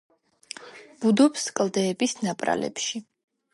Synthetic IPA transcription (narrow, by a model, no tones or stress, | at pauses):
b̥ud̪ɔpskʼld̪ɛːbisnapʼɾa̰lɛ̰pʃi